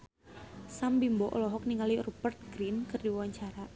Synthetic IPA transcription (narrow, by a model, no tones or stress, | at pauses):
sambimbɔʔɔlɔɦɔk̚niŋalirubərt̪̚ɡɾinkɨrdiwawaɲt͡ʃaɾa